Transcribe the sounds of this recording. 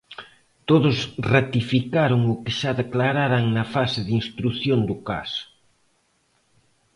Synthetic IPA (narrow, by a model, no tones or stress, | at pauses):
t̪oðʊsrat̪ifikaɾʊŋʊkɪʃaðeklaɾaɾaŋnɐfasɪðinst̪ɾuθjond̪ʊka̰sʊ̥